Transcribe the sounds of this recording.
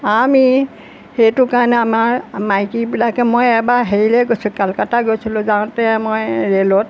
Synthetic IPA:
ami | hejtʊkaɹnɛamaɹmajkibilakɛmojɛbaɦeɹilɛɡojsʊkalkataɡojsilʊ̃zaw̃tɛmojɹelɔt̚

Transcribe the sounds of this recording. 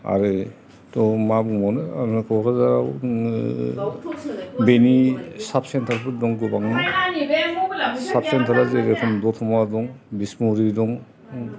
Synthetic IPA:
a̰ɾe | tɔmabumɔnɯa̰ɾnakʰɔɾazaw | benisap̚ʰsentʰaɾpʰɯɾdɔŋɡubaŋnɯ | sap̚ʰsentʰaɾazeɾekʰɔmdɔtʰɔmadɔŋbismuɾidɔŋ

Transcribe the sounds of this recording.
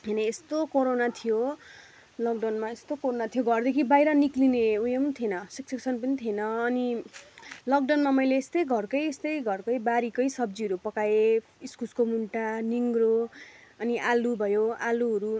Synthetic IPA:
ɦeneest̪okoɾonat̪ʰijo | lʌɡɖʌwnmaest̪okoɾonat̪ʰijoɡʱʌrd̪ekʰibajɾʌniklineujemnt̪ʰenʌsikseksʰʌnpʌnit̪ʰenʌːni | lʌkɖʌnmamʌjleːst̪ʌjɡʱʌrkʌjest̪ʌjɡʱʌrkʌjbaɾikʌjsʌb̚d͡ziʌɾupʌkaje | iskuskomuɳʈaniŋroʌniʔalubʱʌjoaluɦʌɾu

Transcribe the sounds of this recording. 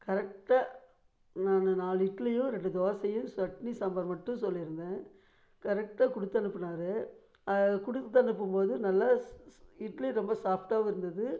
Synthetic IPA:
kɐɾɛk̚ʈaː | naːnnaːlɪʈlɐjʊ̃ɾɛɳɖɯd̪oːsɐjɯ̃sʋɐʈnisɐmbɐɾmɐʈːɯ̃sɔlːɪɾɯnd̪ẽː | kɐɾɛk̚ʈaːkʊɽɯt̪ːɐnɯpːɐnaːɾɯ | ɐkʊɽʊt̪ːɐɳɯpːɯmpoːðɯnɐlːa | ɪʈlɐɾɔmbɐsaːfʈaːʋɐɪɾɯnd̪ɐðɯ

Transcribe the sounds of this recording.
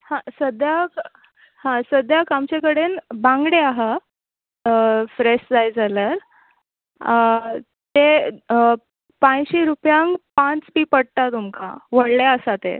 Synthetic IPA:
hãsəd̪jak | hãsəd̪ʱjakamt͡ɕekəɽenbãŋɡɽeaɦa | fɾeʂd͡zajd͡zaljaɾ | t̪e | pãjɕiɾupjãŋɡpãt͡spiːpəɽt̪at̪umka̰ʋəɽlaəsat̪ḛ

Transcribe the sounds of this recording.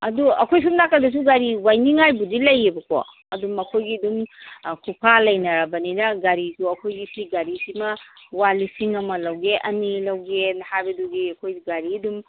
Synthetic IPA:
ɐduɐ̰kʰojs̬umnakːɐdɐs̬uɡaɾiwajniŋajbudilɐjebɐkʰo̰ | ɐdumɐkʰojɡidumkʰupʰalɐjnɐɾɐbɐninɐɡaɾisuɐkʰojɡisiɡaɾisimɐwalisiŋɐmɐlɐwɡeʔɐnilɐwɡenɐhabɐduɡiɐkʰojɡaɾidum

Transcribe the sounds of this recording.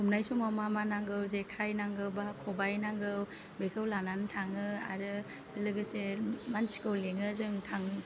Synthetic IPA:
umnajsɔmamamanaŋɡɯwzekʰajnaŋɡɯwbakʰɔbajnaŋɡɯw | bikʰɯwlanantʰaŋɯa̰ɾɯ | lɯɡɯsemansi̥kɯwleŋɯzɯŋtʰaŋ

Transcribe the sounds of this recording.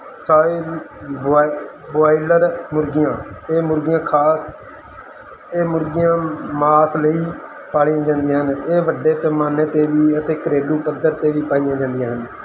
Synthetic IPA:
saːeː | boaːiləɾmʊɾɡɪjãːeːmʊɾɡɪjãːkʰaːs | eːmʊɾɡɪjãːmaːsləiː | paːliːãːd͡ʒãːnd̪ijãːɦəneːʋəɖeːt̪eːmaːneːt̪eːʋiːət̪eːkəɾeːɖuːpəd̪əɾt̪eːʋiːpaːijãːd͡ʒãːnd̪ijãːɦən

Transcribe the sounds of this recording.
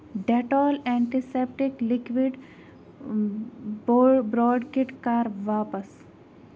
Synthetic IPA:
ɖeʈɔːlɛ̃ːɳʈisepʈiklɪkʋiɖ | bɾɔːɖkɪʈkaːɾʋaːpəs

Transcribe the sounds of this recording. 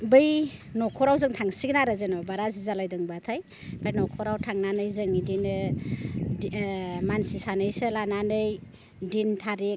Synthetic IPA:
bɯjnɔkʰɔɾawzɯŋtʰaŋsiɡnaɾɯzɯnɔbaɾazizalajdɯŋbatʰaj | b̥ajnɔkʰɔɾawtʰaŋnanɯjzɯŋidinɯ | mansisanɯjsɯlananɯj | dintʰaɾek̚

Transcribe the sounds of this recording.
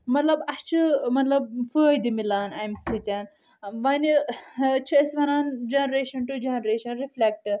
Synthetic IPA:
mɐt̪lɐbɐst͡ʃʰɨmɐt̪lɐb̚fəːjd̪imilaːnajmsit̪ʲan | ʋɐnit͡ʃʰɨɐsʋɐnaːnd͡ʒenɐɾeːʃɐnʈud͡ʒenɾeːʃɐnɾiflek̚ʈ

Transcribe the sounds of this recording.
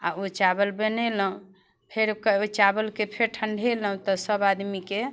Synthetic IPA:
aot͡ʃabəlbenɛləũ | pʰeɾkəot͡ʃabəlkepʰeɾʈʰəɳɖʱelɦũt̪ɔsəbad̪mike

